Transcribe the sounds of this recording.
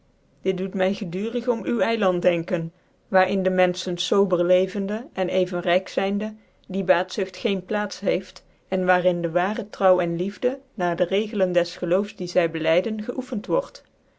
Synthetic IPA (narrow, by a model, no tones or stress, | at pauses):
d̥ɪt̚dutmɛjχədyːrəχɔmywɛjlɑntdɛŋkən | ʋaːɹɪndəmɛnsənsowbəɹlejvəndəʔɛnejvənrɛjksɛjndə | dibaːtsʏxtχejnplaːtsɦejft | ɛnʋaːrɪndəʋaːrətrʌwɛnlivdənaːɹdərejɣələndɛsχəlowfsdizɛjbəlɛjdənχəʔufəntʋɔɹt